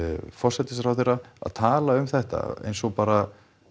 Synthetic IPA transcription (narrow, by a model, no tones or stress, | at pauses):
fɔr̥sɛt̪ɪsɾawθejrːaa̰ðt̪ʰaːlaʏmθɛht̪a̰ḛjnsɔɣpaːɾa